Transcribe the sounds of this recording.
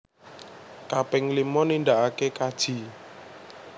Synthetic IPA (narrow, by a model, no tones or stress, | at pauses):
kapɪŋlimɔninɖ̪aʔakekad̥ʒ̥i̤